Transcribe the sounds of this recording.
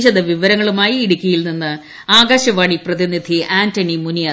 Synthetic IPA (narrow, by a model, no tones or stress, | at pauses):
ɕɐðɐʋiʋɐɾɐŋːɐɭumaːjiːɽukʲːɐjilninːɨ | aːɡaːɕɐʋaːɳiprɐðinid̪ʱiʔaːntɐɳimunijaː